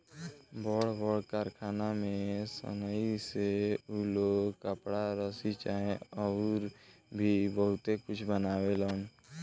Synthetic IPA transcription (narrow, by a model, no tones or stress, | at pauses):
bɔːɽbɔːɽkaːɾkʰaːnamẽsə̰nəiseuloːɡkəpɽaɾəsit͡ʃaːẽɔːɾbʱibəɦʊt̪ekʊt͡ʃʰbənaːwelaːn